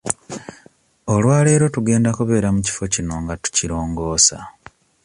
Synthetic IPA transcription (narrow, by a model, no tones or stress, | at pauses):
o̞lwaːle̞ːɾo̞tuɡe̞ːndakuβe̞ːɾamuci̥fo̞cino̞ŋɡatu̥ciɾo̞ːŋɡo̞ːsa̰